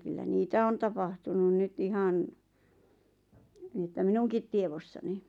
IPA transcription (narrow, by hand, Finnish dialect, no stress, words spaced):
kylːæ niːtæ on tɑpɑhtunu nyt ihɑn niˑ ĕtːæ minuŋkit tieʋosːɑni